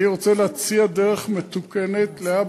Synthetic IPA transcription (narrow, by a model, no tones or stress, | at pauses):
iʁot͡seleat͡siadeʁeχmet̪ukenet̪leab